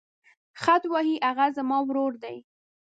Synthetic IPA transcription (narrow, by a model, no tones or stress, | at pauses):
xat̪wɑhiʔaɣazamɑwɾoɾd̪aj